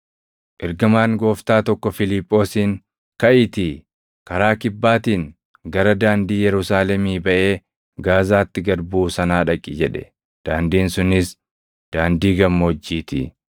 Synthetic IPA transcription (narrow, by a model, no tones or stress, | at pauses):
ʔɪɾɡɐmaːŋɡo̞ːft̪aːt̪ɔkːɔfɪlɪpʼːo̞ːsiːŋ | kɐʔɪt̪ɪ | kɐɾaːkɪbːaːt̪iːŋ | ɡɐɾɐd̪aːnd̪iːjɛɾʊsaːlɛmiːbɐʔe̞ː | ɡaːzaːt̪ːɪɡɐɾbuːsɐnaːᶑɐkʼːɪd͡ʒɛᶑɛ̥̰ | d̪̥aːnd̪iːnsʊnɪs | d̪̥aːnd̪iːɡɐmːoːd͡ʒːiːt̪ɪ̰